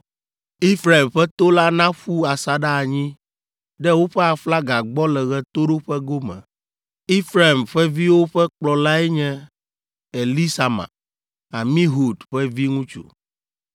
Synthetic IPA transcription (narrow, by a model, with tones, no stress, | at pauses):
i˦fɾa˨i˨mɸɛ˦t̪o˦la˦nã˦ɸu˦a˨sa˨ɖa˦a˨ɲĩ˦ | ɖɛ˦wo˦ɸɛ˦a˨fla˦ɡa˨ɡ͡bɔ˦lɛ˨ɣɛ˦t̪o˦ɖo˦ɸɛ˦ɡo˦mɛ̰̃˨ | i˦fɾa˨mɸɛ˦vi˦wo˦ɸɛ˦k͡plɔ˨la˦ɛ˦ɲɛ̃˦ | ɛ˨li˦sa˨mã̰˨ | a˨mĩ˦ɦu˨dɸɛ˦vi˦ŋũ˦t͡ʃṵ˨